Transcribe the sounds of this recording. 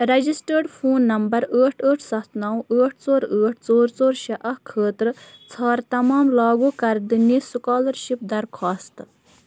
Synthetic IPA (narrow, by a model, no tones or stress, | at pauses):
ɾɐd͡ʒisʈəɾɖpʰuːnːɐmbɐɾəːʈʰəːʈʰsɐt̪ʰnɐwəːʈʰt͡soːɾəːʈ̚ʰt͡soːɾt͡soːɾʃɐʔɐkʰəːt̪ɾɨt͡sʰaːɾt̪ɐmɑːmlɑːɡuːkɐɾd̪inːisukɑːlɐɾʃip̚d̪ɐɾkʰaːst̪